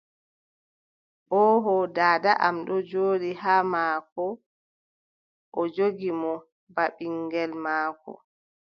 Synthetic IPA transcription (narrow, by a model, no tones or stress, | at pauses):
ʔɔɦɔdaːdaʔamɗɔd͡ʒoːɗihamaːkɔ | ʔɔd͡ʒoɡimɔ | baɓiŋɡɛlmaːkɔ̰